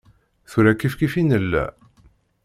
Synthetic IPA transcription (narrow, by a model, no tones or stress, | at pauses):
θuɾækːifkifinəlːæ̰